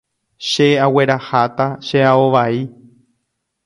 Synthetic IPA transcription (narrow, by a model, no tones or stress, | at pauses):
ʃeawe̞ɾahat̪aʃeaoʋai